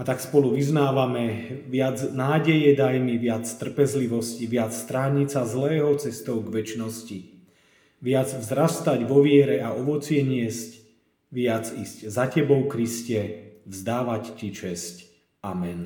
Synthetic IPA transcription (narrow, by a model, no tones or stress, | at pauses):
at̪akspɔluʋiznaːʋamɛʋɪad͡znaːɟɛjɛd̪ajmiʋɪat͡st̪r̩pɛzliʋɔsciʋɪat͡sst̪ɾaːɲit͡sazlɛːɦɔt͡sɛst̪ɔʊɡʋɛt͡ʃnɔsci | ʋɪad͡zvzɾast̪aɟʋɔʋɪɛɾɛaɔʋɔt͡sɪɛɲɪɛsc | ʋɪad͡ziːsczacɛbɔʊkɾiscɛvzd̪aːʋaccit͡ʃɛsc | amɛn